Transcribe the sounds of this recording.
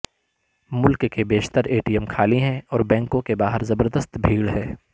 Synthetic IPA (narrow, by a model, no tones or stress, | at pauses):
mʊlkkebeːʃt̪əɾeːʈiːɛmkʰaːliɦɛ̃ɔːɾbɛ̃ːŋkõkebaːɦəɾzɐbəɾd̪əst̪bʱiːɽɦɛː